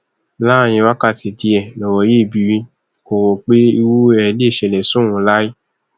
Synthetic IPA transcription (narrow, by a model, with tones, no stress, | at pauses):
la˦˨j̃ĩ˧wa˦ka˦˨ti˨ti˧ɛ˨lɔ˨wɔ˨je˦˨bi˧˨ɾi˧ | ko˨wo˨k͡pe˦i˧wu˦ɛ˧le˦˨ʃɛ˨lɛ̃˨sũ˦wũ˧˦la˦i˦